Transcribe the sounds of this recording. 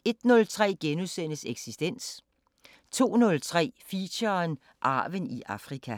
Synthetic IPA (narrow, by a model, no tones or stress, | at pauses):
e̝d̥nɔ̽lt͡sʰʁɛ̰ːɡ̥enusen̰əseɡ̥sisd̥en̰s | t͡sʰo̝̰ːnɔ̽lt͡sʰʁɛ̰ːfiɕɐn | ʔɑ̈ːʋəniʔɑ̈fʁikʰæ